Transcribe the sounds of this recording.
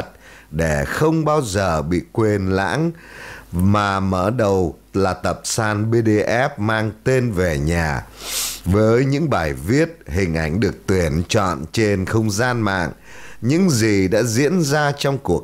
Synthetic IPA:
t̚ɗe˧˩xə˧wŋ͡mɓaː˧wzəː˨˩ɓḭ˧˨kwe˧nla̰ː˧˥ŋ | maː˨˩məː˧˩ɗə˨˩w | laː˨˩t̪ə˨˩p̚saː˧nɓe˧ɗe˧ʔɛ˦˥p̚maː˧ŋt̪e˧nve˨˩ɲaː˨˩vəː˨˦jɲɨ̰˧˥ŋɓaː˨˩jvi˦˥ət̚hï˨˩ŋ̟ʔa˨˧˩jŋ̟ɗɨ˨˩ək̚t̪wi˧˩ənt͡ɕɔ̰˧˨nt͡ɕe˧nxə˧wŋ͡mzaː˧nma̰ː˧˨ŋɲɨ̰˧˥ŋzi˨˩ɗa̰ː˧˥zḭ˧˥ənzaː˧t͡ɕɔ˧wŋ͡mku˨˩ək̚

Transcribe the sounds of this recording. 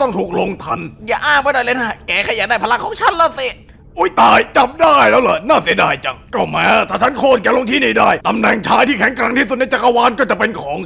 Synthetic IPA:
t̪ɔ˥˩ŋt̪ʰuː˨˩k̚lo˧ŋt̪ʰa˧njaː˨˩ʔaː˥˩ŋma˧˩jdɔː˨˩jləː˧˥na˧˩kɛː˨˩kʰaː˧˩jaː˨˩daː˥˩pʰa˧la˧˥kʰɔː˨˦ŋt͡ɕʰa˦˥˨nlaː˦˥˩si˧˩ | ʔuː˦˥jt̪aː˨˩jt͡ɕa˨˩p̚daː˥˩jlɛː˦˥wla˨˩naː˥˩si˨˦ədaː˧˩jt͡ɕa˨˩ŋ̚kɔː˧˩mɛː˦˥t̪ʰaː˧˩t͡ɕʰa˦˥nkʰoː˧˩t̪̚kɛː˧˦lo˧ŋt̪ʰiː˧˩niː˧˩daː˥˩jt̪a˧mnɛː˨˩ŋt͡ɕʰaː˦˥jt̪ʰiː˥˩kʰɛ˨˩˦ŋkɾɛː˧ŋt̪ʰiː˥˩su˨˩na˧˥jt͡ɕa˨˧˩kʰa˧waː˧˥nkɔː˥˩t͡ɕa˨˩pe˧nkʰɔː˨˦ŋ

